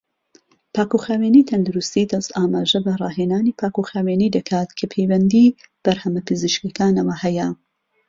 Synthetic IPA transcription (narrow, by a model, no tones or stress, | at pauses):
pʰaːkuxaːweːnit̪ʰɐnd̪uɾust̪id̪ɐst̪aːmaːʒɐbɐrˤɑːɦeːnaːniːpʰaːkuxaːweːniːd̪ɐkʰaːt̪kʰɐpʰejwɐnd̪iːb̥ɐɾhɐmɐpʰɨziʃkɐkaːnɐwɐhɛjɐ